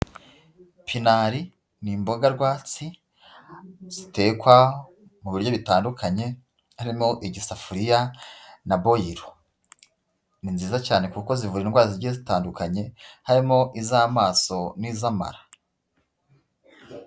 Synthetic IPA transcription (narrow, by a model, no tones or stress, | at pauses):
pʰinaɾi | nimbo̞ɡaɾɡwaːt͡si | z̥ite̞ːkwa | muβiɾjo̞βitaːndukʰaɲe̞ | haɾimo̞ʔiɟisafuɾijanabo̞jiɾo | ninziːzacaːne̞kuko̞zivuɾiinɡwaːziɾɟihezitaːndukaɲe̞haɾimo̞ʔizamaːso̞niːzama̰ɾa